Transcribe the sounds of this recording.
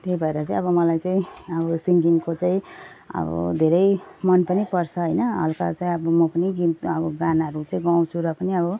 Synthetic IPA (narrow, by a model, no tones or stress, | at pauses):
t̪ejbʱʌeɾʌt͡sãĩʌbʌmʌlajt͡saĩʌbʌsiŋɡiŋkot͡saĩ | ʌ̰bʌ̰d̪ʱeɾʌjmʌnpʌnipʌrt͡sʰʌɦʌjnʌɦʌ̰lkat͡saĩʌbʌmʌpʌniɡit̪ʌbʌɡanaɦʌɾut͡saĩɡaw̃t͡sʰuɾʌpʌniʌbʌ